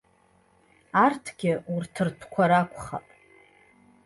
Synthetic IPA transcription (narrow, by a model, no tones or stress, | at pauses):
artʰɡʲɪurtʰɨrtʰkʷʰaɾakʷʰʼχa̰pʼ